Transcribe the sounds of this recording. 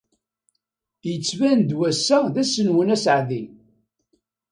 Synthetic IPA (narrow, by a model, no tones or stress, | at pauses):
jət͡sːvænd̪wæsːæðæsənwənæsʕði